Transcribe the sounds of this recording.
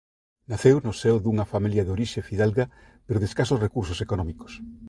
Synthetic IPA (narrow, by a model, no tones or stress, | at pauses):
naθewnosewðuŋɐfamiljɐðoɾiʃefiðalɣa | peɾoðeskasosrekuɾs̬osekonɔmiko̥s